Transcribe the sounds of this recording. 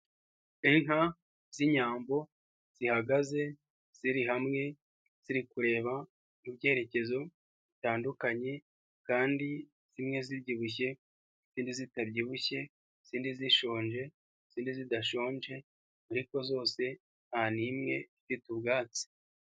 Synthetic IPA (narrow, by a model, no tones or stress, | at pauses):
iŋha | z̥iɲaːmbo̞ | z̥ihaɡaze̞ | z̥iɾiɦamŋe̞ | z̥iɾikuɾe̞ːβa | ibɟe̞ːɾe̞ce̞zo̞ | βitaːndukaɲe̞ | kaːndi | z̥imŋe̞zibɟiːβuç̬e̞ | z̥iːndizitabɟiβuçe̞ | z̥iːndiziʃo̞ːɲʒe̞ | z̥iːndizidaʃo̞ːɲʒe̞ | aɾiko̞zo̞ːse̞ | nhanimŋe̞̰zifitubɡaːt͡si̥